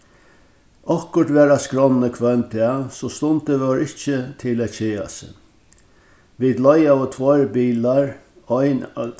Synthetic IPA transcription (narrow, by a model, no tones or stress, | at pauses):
ɔhkʊɾʈ̪ʋɛːɾaskɾɔnːəkʰvœnt̪ʰaːsɔst̪ʊnt̪əʋɔɹɪht͡ʃət̪ʰɪlæːt̪t͡ʃeːa̰sə̰ | ʋiːd̪lɔjavət̪ʰvɔɹbiːlaɹ | ɔjn